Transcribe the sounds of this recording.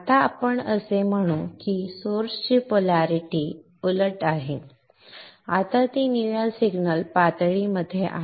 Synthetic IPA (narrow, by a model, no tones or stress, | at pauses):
at̪aːpəɳəsem̤əɽ̃ũkisoɾst͡ɕipolaɾiʈiː | uləʈaɦe | at̪at̪iniʋalsiɡnəlpat̪ɭiməd̪ʱːjeʔa̰